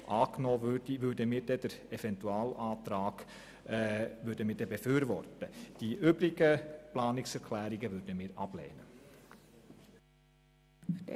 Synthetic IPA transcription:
ʔɑːknoːʋødiʋʏɾdəmiːɾd̥ɛd̥ɛɾɛvɛntuɑːlɑːtɾɑːɡ̥ | ʋʏɾdəmiːd̥ɛbəføːɾvɔɾtəd̥iʔʏbɾɪɡəplɑːnɪksɛɾkʰlæːɾɪɡəʋʏd̥əmiːɾɑ̰b̥lḛːnə

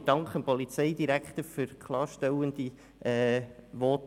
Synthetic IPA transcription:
d̥ɑŋkχəmpɔlit͡seɪd̪iɾækχt̪əɾfʏɾkʰlɑːɾʃtɛwənd̪i | ʔɛːʋɔːt

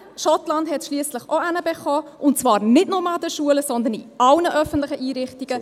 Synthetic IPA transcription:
ʃɔtlɑndhɛtʃliəsləχoænəbɛχɔːʔʊntt͡svɑːɾnɪtnomɑɑd̪əʃuələsɔnd̪ənḭɑlnəʔœfən̩tlɪχəʔiːɾɪχtiɡ̥ə

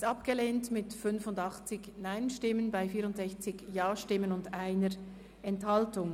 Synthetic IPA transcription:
tɑpɡ̥əleːntmɪtfʏnfʊndɑχt͡sɪçnaɪnʃtɪmənbaɪfiːɐɾʊntz̥ɛçt͡sɪɡjaːʃtɪmənʊndaɪnəɾ | ɛnthɑltʊŋ

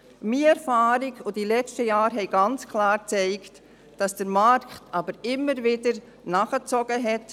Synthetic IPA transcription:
miɛɾfaːɾiɡod̥ilɛt͡ʃtəjɑːɾɦɛɪɡɑnt͡skʰlɑːɾt͡sɛɪkt | d̥ɑsd̥əɾmɑɾkχtʰɑbəɾɪmːəɾvɪdəɾ | nɑχət͡sɔɡ̥əɦɛt

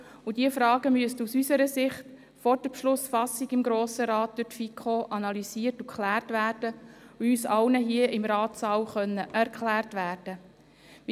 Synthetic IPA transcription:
ʊdiəfɾɑːɡəmyəstəusysəɾəsɪχt | fɔɾd̥əpʃlʊsfɑsiɡɪmɡɾoːsəɾɑːt̚d̥ʊɾtfikχoʔɑnɑlysiːərtukʰχlæːrtʋæːɾd̥əʊyːsɑlnəɦiəʔɪmɾɑːtsɑːwχœnːəʔæɾkχlæːrtʋæːrd̥ə

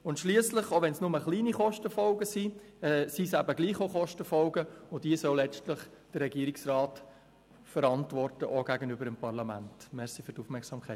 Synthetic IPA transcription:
ʊntʃliəsləχoʋɛnsnʊməχliːniχɔʃtəfɔlɡəsi | ɛsisæbəɡliːχoχɔʃtəfɔlɡəʊd̥iəsɔʊlːɛt͡stləχ | d̥ərːɛɡiːəɾɪksrɑːt | fəɾɑntvɔrtəʔoɡ̥æɡənʏbəɾɪmpɑrlɑmæ̰ntmɛɾsifytufmɛksɑmkʰχɛɪ

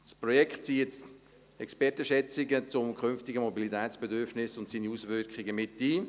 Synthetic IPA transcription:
sprɔjɛkχt̚t͡siːət | ɛkspɛtəʃɛt͡sɪɡət͡sʊmkʰχʏnftɪɡəmobilitɛːt͡sb̥ɛdʏɾfnɪsʊntsiːniusvʏkχɪɡəmɪtːiː

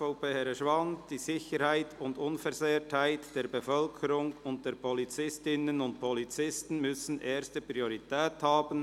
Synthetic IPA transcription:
ʊpeːhɛɾəʃvɑnd̥iːzɪçəɾhaɪtʰʊndʊnfɛɾzeːthaɪtd̥eːɐbəfœlkʰəɾʊŋʊnt̚d̥eːɾpʰɔlit͡sɪstɪnənʊnt̚pʰɔlit͡sɪstn̩mʏsn̩ʔeːɾstəpʁioʁitɛːthaːb̥ən̩

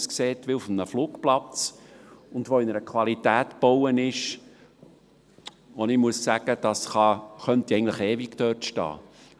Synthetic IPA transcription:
skseːtʋɪʊfmnəfluːkplɑt͡s | ʊndʋoːɪnəɾəkʰʋɑlitæːtb̥owənɪʃ | onɪmuəssæɡ̥əd̥ɑsχɑχœnt̪iɛɪɡŋndləχeːvikt̪œtʃtɑ̰ː

